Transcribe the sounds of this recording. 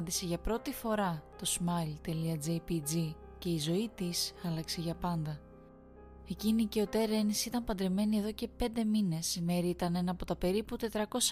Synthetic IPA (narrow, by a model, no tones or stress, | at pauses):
nd̪ise̞ʝɐpɾo̞t̪ifo̞ɾɐt̪o̞smɐlt̪e̞liɐd͡zejpid͡zi | ce̞izo̞it̪isɐlɐkse̞ʝɐpɐnd̪ɐ | e̞cinice̞o̞t̪e̞ɾe̞nisit̪ɐmpɐnd̪ɾe̞me̞nie̞ðo̞ce̞pe̞nd̪e̞mine̞sime̞ɾiit̪ɐne̞nɐːpo̞t̪ɐpe̞ɾiput̪e̞t̪ɾɐko̞s